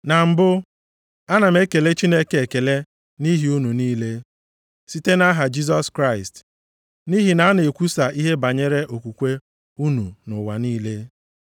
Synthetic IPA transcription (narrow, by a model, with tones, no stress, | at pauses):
na˨m̩˨bʊ˦ | a˦na˨m̩e˦ke˨le˦t͡ʃi˦ne˦kee˨ke˨le˦ | ni˦ɦi˨u˦nu˨niː˦le˦ | si˦te˦na˦ɦa˨d͡ʒi˦z̬ɔ˦skɾa˦˨ɪ˨st | ni˦ɦi˨na˨˦a˦ne˨kʷu˦sa˨ʔi˦ɦe˦ba˨ɲe˦ɾe˦ʔo˨kʷu˨kʷe˦ | u˦nu˨nʊ˨wa˨niː˦le˦